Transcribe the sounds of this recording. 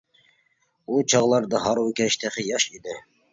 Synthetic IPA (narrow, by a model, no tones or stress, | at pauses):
ut͡ʃʰɑʁlˠɑɾd̪ɑɦɑɾwkʲæʃt̪ʰæχɪjɑʃid̪ɪ